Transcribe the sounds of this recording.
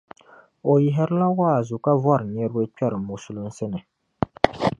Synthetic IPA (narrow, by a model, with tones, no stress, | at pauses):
o˨jɪ˨ɦɪ˦ɾɨ˦la˦wa˦a˨zu˨ka˦vɔ˦˨ɾɨ˨ɲɛ˦ɾɨ˦bɨ˦k͡pɛ˦ɾɨ˨mu˨su˨lʊ˦n̩˦sɨ˦nɨ˨